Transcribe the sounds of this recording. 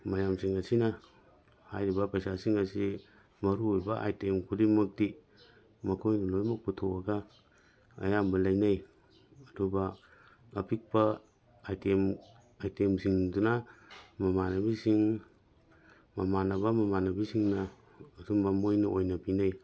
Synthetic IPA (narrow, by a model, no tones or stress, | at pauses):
majamsiŋɐsinɐ | hajɾibɐpɐjsasiŋasi | mɐɾuɾbaʔa̰jtemkʰudimuk̚di | mɐkʰojdulojmuk̚butʰoaɡa | ɐ̰jambɐlajnaj | ɐdubaː | pik̚ba | ajtem | ajtemsiŋdunamɐmanɐbisiŋ | mamanabamɐmanɐbisiŋnɐː | dumbamojnɐojnɐpinaj